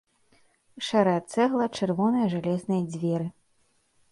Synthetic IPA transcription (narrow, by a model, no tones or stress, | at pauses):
ʂɛɾɐjat̪sɛɣlˠɐt͡ʂɨrvɔnɐjɐʐalʲɛznɐjɐd͡zʲvʲɛɾɨ